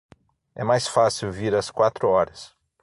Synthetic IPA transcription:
ɛ̰majsfasiwviɾɐskwat̪ɾʊɔɾɐs

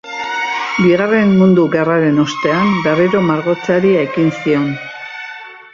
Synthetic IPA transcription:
biɣare̞mmund̪uɣeraɾe̞no̞st̪e̞ambereɾo̞maɾɣo̞t͡saɾiae̞kinsio̞n

